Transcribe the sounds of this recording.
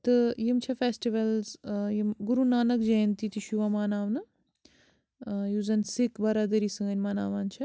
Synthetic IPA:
t̪ɨjimt͡ʃʰɐfesʈiʋɐlzjimɡuɾunaːnɐkd͡ʒɐjnt̪it̪iʃuʋamaːnaːʋnɨ | juːzɐnsikbɐɾad̪ɐɾisɨənʲmaːna̰ːʋaːnt͡ʃʰɐ

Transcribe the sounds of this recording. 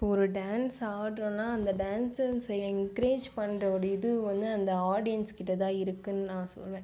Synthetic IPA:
poɔɾɯɖaːnsaːʋʈɾonːaːɐnd̪ɐɖaːnsɐnsɐɛŋkɾeːd͡ʒpɐɳɾɐɽɯɪðɯʋɐnd̪ɯɐnd̪ɐaːɖɪjɐnskɪʈːɐt̪̬ãːɪɾɯkːɯnːɯnãːsɔ̰lʋẽː

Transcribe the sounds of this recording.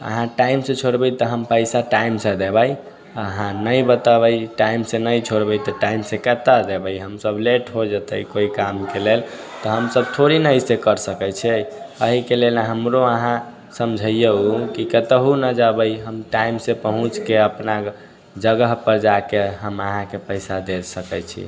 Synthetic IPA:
ə̰ɦãʈaimset͡ʃʰoɽbəjt̪ɔɦəmpəjsaʈaimsẽd̪ebəj | əɦãnəjbət̪əβəjʈaimsenəjt͡ʃʰoɽbəjt̪ɔʈaimsẽkət̪əd̪ebəjɦəmsəbleʈɦod͡ʒət̪əjkoikamkelel | t̪ɔɦəmsəb̚t̪ʰoɾinəjsekəɾsəkət͡ʃʰɛəɦikelelaɦəmɾoəɦã | səmd͡ʒʱəjjəɦukikət̪əɦunəd͡ʒabəjɦəmʈaimsẽpəɦũt͡ʃkeəpna | d͡ʒəɡəɦpəɾd͡ʒakeɦəməɦãkepəɪsad̪esəkət͡ʃʰḭ

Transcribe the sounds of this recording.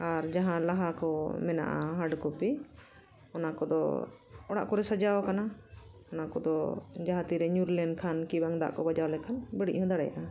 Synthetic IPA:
aɾd͡ʒaɦãlaɦakɔmɛna̰ʔa̰ɦaɖkɔpi | ɔnakɔd̪ɔ̰ | ɔɽa̰ʔkɔɾɛsad͡ʒawkanaɔnakɔd̪ɔd͡ʒaɦat̪iɾɛɲuɾlɛnɖkʰankibaŋd̪a̰ʔkɔbad͡ʒawlɛkʰanbɛɽḭʔ̚ˀhɔ̃d̪aɽa̰ja̰ʔa

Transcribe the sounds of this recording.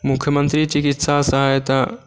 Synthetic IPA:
mʊkʰjəmə̃nt̪ɾit͡ʃɪkɪt̪sasaːɦet̪ɐ

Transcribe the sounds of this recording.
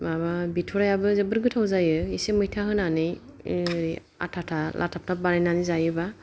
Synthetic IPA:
mababitʰɔɾajabɯzɯbɯɾɡɯtʰawzajɯisemɯjtʰaɦɯnanɯjɾi | a̰tʰatʰalʔa̰tʰap̚tʰap̚baɾajnanizajɯba

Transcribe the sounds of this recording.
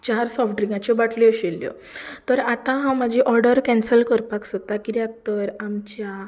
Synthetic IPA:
t͡ɕaɾsɔfʈɾiŋɡat͡ɕebaʈʰleɕelːjɔ̰ | t̪əɾat̪ãɦãm̤əd͡ʑeʔɔɾɖəɾkɛ̃nsəlkəɾpaksət̪akiɾjak̚t̪əɾamt͡ɕja

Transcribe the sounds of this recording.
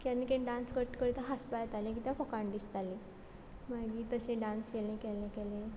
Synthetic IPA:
kjanːiːkeniɖanskəɾət̪kəɾit̪əɦaspajt̪alẽk̬iːt̪afɔkaɳd̪ist̪ali | maɡiːt̪əsẽɖãnskelẽkɛlẽkɛlẽ

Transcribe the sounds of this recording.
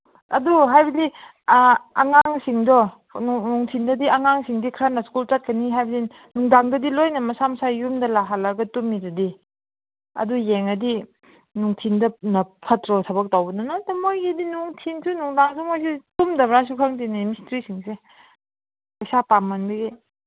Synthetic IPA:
ɐduɦajbɐdi | ɐŋaŋsiŋdɔ | nnuŋtʰindɐdiɐŋaŋsiŋdikʰɾanɐskult͡ʃat̚kɐniɦajbɐdi | nuŋdaŋdɐdilojnɐmɐsamsajjumdɐlaɦalɐɡɐtumːidɐdi | ɐ̰dujeŋɐdi | nuŋtʰindɐnɐpʰɐtɾɔtʰɐbɐk̚tawbɐnɐnatɐmojɡidinuŋtʰinsunuŋdaŋsumojs̬itumdɐbɾas̬ukʰaŋtinimistɾisiŋse | kasapamanbɐɡi

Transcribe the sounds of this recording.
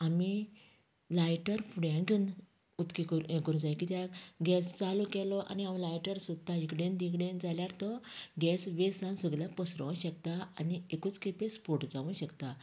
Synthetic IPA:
ami | lajʈəɾfuɽjãɡən | ut̪kikɾekəɾũd͡zajikit̪jaɡɛst͡salukɛlɔʔa̰niaʋlajʈəɾsud̪ʱːaikɽẽnd̪ikɽẽnd͡zaljaɾt̪ɔɡɛsʋesãnsəɡljapəsɾə̰ʋũɕəkt̪aaniekuːt͡skepespoʈd͡zaʋũɕəkt̪a

